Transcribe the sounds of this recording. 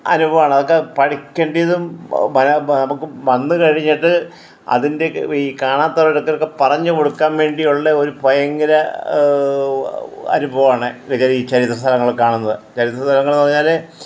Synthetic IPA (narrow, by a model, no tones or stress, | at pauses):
ɐ̰nubʱɐʋaːɳɐðo̞kːepɐɽikʲːeːɳɖijɐðumɐnɐnɐmukːɨʋɐnːɨkɐɻiɲːiʈːɨ | ɐ̰ðinde̞ikaːɳaːt̪ːɐɐiɽokːɐɾkːepɐrɐɲːɨko̞ɽukːaːnʋe̞ːɳɖijuɭːeo̞ɾupojɐŋɡɐɾɐ | ɐ̰nubʱɐʋɐaːɳekɐd͡ʑaliːt͡ɕɐɾit̪ɾrɐst̪ʰɐlɐŋːɐɭkaːɳunːɐðɨt͡ɕɐɾit̪ːrɐst̪ʰɐlɐŋːɐɭnpɐriɲːaːle